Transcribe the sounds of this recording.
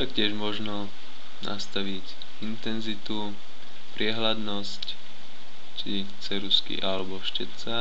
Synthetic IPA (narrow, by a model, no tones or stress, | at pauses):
t̪akcɪɛʒmɔʒnɔ | nʔa̰st̪aʋic | int̪ɛnzit̪u | pɾɪɛɦlad̪nɔsc | t͡ʃi | t͡sɛɾuskḭʔalɛbɔʃcɛt͡sa